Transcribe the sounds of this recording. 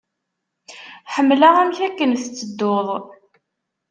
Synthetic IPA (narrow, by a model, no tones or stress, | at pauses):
ħəmːlaʁæmçækːənθt͡sːəd̪ːoðˤ